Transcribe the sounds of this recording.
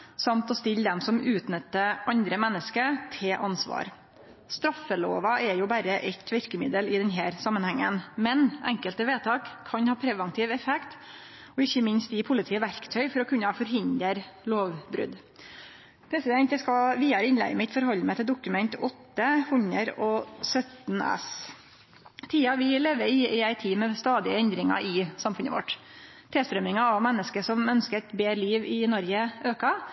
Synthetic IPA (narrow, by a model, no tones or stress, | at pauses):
sɑmt̪ɔst̪ɪld̪ɛmsɔmʉːt̪nət̪ːəʔɑnd̪ɾəmɛnːəskət̪ʰɪʔɑnsʋɑ̰ːɾ | st̪ɾɑfəlo̰ːʋɑʔɛɾjʊːbæɾəʔɛt̪ʰʋɪɾkəmɪd̪əlɪd̪ɛnɦæːɾsɑmːənhæŋːənmɛnʔɛ̰ŋkəlt̪əʋeːt̪ʰɑːkʰːɑnhɑːpʰɾɛʋənt̪ʰiːʋɛfɛkt̪ | ɔɪçːəmɪnst̪jɪpʰʊlɪt̪ʰiːəʋæɾkt̪ʰœʏfɔɾɔkʰʉnːəfɔɾɦɪnd̪əɾloːʋbɾʉ̰d̪ | pʰɾɛsɪd̪ɛnt̪əskɑʋiːd̪ɑɾəɪnlæ̰ɪɡmɪt̪fɔɾhɔlːmɛt̪ʰɪld̪ʊkʉmɛnt̪ʰɔt̪ːəhʉnəɾɔsœt̪nɛ̰s | t̪ʰiːɑʋɪleːʋəɾɪɪæɪt̪ʰiːmɛst̪ɑːd̪ɪəɛnd̪ɾɪŋɑ̰ʔɪsɑmfʉnə̰ʋɔ̰ʈː | t̪ʰeːst̪ɾœmɪŋɑɑʋmɛnːəskəʂɔmœnskət̪beːɾliːʋɪnɔɾɡəøːkɑ